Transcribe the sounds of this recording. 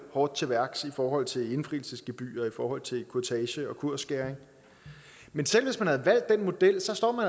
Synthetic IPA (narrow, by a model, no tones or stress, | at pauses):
hɒːd̥̚t͡sʰe̝ʋæɐɡ̥sifɒːɦɒ̽l̰t͡sʰe̝le̝nfʁḭːl̩səsɡ̥əb̥y̰ːɒ̽ifɒːhɒ̽l̰t͡sʰe̝lkʰuɐt͡sʰɛɕəɒ̽kʰuɐ̰sɡ̥æɐeŋ | mensel̰ʋe̝smænhæðˠʋæl̰d̥ːenmo̝d̥el̰sɒ̽sd̥ɒ̰ːmæn